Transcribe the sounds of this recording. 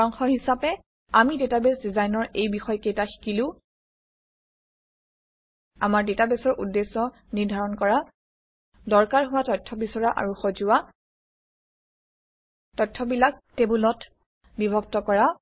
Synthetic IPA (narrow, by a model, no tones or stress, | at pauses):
ɔŋxɔɹhisapɛ | amidetabesdizajnɔɹejbixɔjkejtaxi̥kilʊ̃ | amaɹdetabesɔɹʔudːesːɔ | niɹdʱaɹɔnkɔɹa | dɔɹkaɹɦʊwatɔjtʰːɔbisɔɹaʔa̰ɹuxozʊwa | tɔjtʰːɔbilak̚tebulɔt | bibʱɔbtɔkɔɹa